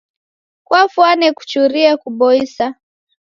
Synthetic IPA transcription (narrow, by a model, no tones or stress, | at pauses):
kwafwanɛku̥t͡ʃuɾiɛkuɓɔisa